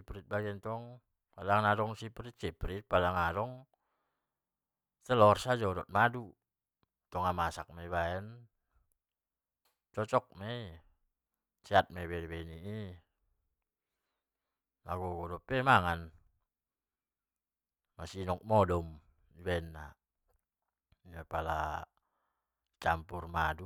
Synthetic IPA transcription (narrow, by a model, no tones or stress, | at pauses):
ipɾit̪̚baɡɛnt̪ɔŋ | palaŋnadɔŋsipɾit̪̚t͡ʃɛpɾit̪̚padaŋadɔŋ | t̪ɛlɔrsad͡ʒɔɾɔt̪̚madu | t̪ɔŋamasak̚meiβaɛn | t͡ʃɔt͡ʃɔk̚mɛi | t͡ʃɛat̪̚meβɛlbɛniʔi | laɡɔɡɔdɔpɛmaŋan | masinɔk̚mɔdɔm | ibɛnːa | iapala | t͡ʃampurmadu